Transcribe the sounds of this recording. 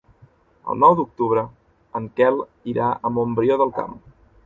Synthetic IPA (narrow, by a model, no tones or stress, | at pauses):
ə̰lˠnɔwd̪uk̚t̪uβ̞ɾə | əŋkɛlˠ | iɾʔaəmombɾioðəlˠka̰m